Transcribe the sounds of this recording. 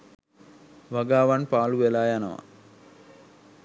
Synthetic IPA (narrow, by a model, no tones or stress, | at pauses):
ʋɐɡaːʋanpaːluʋelaːjanɐ̰ʋa̰